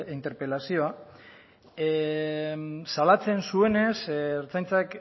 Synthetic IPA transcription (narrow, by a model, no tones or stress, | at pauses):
int̪e̞ɾpe̞lasio̞a | salat͡se̞nsue̞ne̞sːɾt͡sajnt͡sak